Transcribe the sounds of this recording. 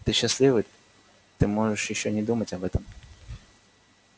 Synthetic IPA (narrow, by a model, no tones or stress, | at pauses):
t̪ɨɕːɪsʲlʲˠivɨ | t̪ɨmoʐɨʂjɪɕːonʲɪd̪umɐtʲɐbɛt̪ɐm